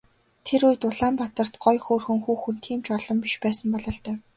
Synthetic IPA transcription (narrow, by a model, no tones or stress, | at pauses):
t̪ʰeɾujt̪ʊɮaːmpat̪ə̆r̥t̪ɢɔjxoːrxɵ̆ŋxuːxunt̪ʰiːmt͡ɕɔɮɞ̆mpiʃpæːsə̆mpɔɮɔ̆ːɬt̪œː